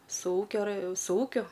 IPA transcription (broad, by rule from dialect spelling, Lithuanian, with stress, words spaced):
sʊ ˈuːkʲoː rɜ sʊ ˈuːkʲʊ